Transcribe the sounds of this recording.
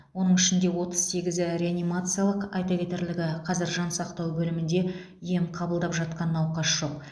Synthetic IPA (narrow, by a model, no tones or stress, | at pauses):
wo̞nəɴɪʃɪnd̪e̞wo̞t̪əz̥se̞ɡʲɪzɪɾʲe̞anijmat̪sɨjalˠəqɑjt̪ɑkʲe̞t̪e̞ɾlɪɡʲɪqʰɑzɪɾʒɑnsɑqt̪ɑwbɵlɪmɪnd̪e̞ | ije̞mqʰɑbəlˠd̪ɑpʒɑt̪̚qɑnːɑwqɑsʒ̥o̞q̚